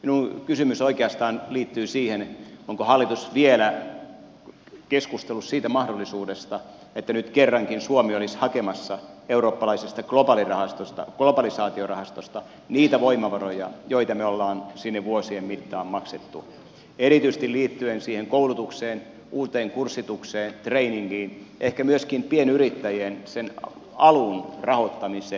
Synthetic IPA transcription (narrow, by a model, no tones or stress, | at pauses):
minuŋkysymysoikeɑst̪ɑːnliːt̪ːyːsiːhenoŋkohɑlːit̪usʋielæ | keskust̪elːussiːt̪æmɑhdolːˑisuːdest̪ɑ | et̪ːænyt̪kerːɑŋkinsuomiolishɑkemɑsːɑeuɾoːpːɑlɑisest̪ɑklobɑlirɑhɑst̪ost̪ɑ̰klobɑlisɑːt̪iorɑhɑst̪ost̪ɑ | niːt̪æʋoimɑʋɑrojɑ̰joit̪ɑmeolːɑːnsinːeʋʋuosiemmit̪ːɑːmmɑkset̪ːu | eɾit̪yiset̪iliːt̪ːyensiːheŋkoulut̪ukseːn | uːt̪eːŋkursːit̪ukseːnt̪reiniŋkiːnʔehkæmyøskimpienyɾit̪ːæjensen | ɑlunrɑhot̪ːɑmiseː